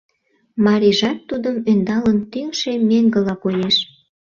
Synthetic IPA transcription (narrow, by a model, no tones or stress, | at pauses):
mɑɾiʒɑt̪ːud̪əmønd̪ɑlənt̪yŋʃemeŋɡə̆lɑkojeʃ